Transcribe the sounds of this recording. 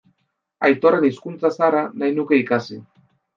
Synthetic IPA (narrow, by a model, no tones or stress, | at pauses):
ajt̪o̞re̞niskunt͡sasaɾanajnuke̞ikasi